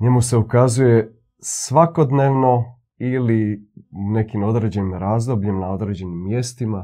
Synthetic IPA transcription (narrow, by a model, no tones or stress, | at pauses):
ɲe̞muse̞ukazuje̞ | sʋako̞d̪ne̞ːʋno̞ | iliune̞kimo̞d̪ɾe̞ːd͡ʑe̞nimɾaːzd̪o̞bʎimnao̞d̪ɾe̞d͡ʑe̞nimːje̞st̪ima